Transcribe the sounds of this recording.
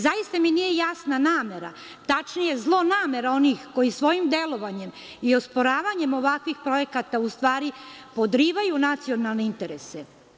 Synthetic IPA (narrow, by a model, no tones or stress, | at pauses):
zajist̪aminije̞jasnanaːme̞ɾa̰ | t̪at͡ʃnije̞zlˠo̞naːme̞ɾao̞nixko̞jisʋo̞jimd̪e̞lo̞ʋaɲe̞m | iospo̞ɾaːʋaɲe̞mo̞ʋakʋixpɾo̞je̞kat̪aust̪ʋaːɾipo̞d̪ɾiːʋajunat̪sio̞nalˠne̞int̪e̞ɾese